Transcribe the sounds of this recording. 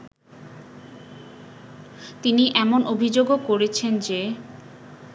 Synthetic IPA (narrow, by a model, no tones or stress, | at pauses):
t̪iniʔɛmonʔobʱid͡ʑoɡokoɾet͡ɕʰend͡ʑe